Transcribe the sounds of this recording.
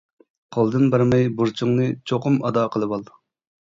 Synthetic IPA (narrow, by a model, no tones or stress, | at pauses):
qʰolˠd̪ɨnbɑɾmɛjbuɾt͡ʃʰuŋnɨt͡ʃʰoqʊmɑd̪ɑːqʰəlˠɨbɑlˠ